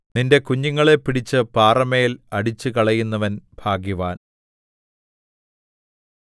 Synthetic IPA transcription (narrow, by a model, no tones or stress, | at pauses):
ninde̞kuɲːuŋːɐɭe̞pːiɽit͡ɕːɨpaːrɐmejilɐɽit͡ɕːɨkɐɭɐjunːɐʋɐnb̥ʱaːɡjuʋaːn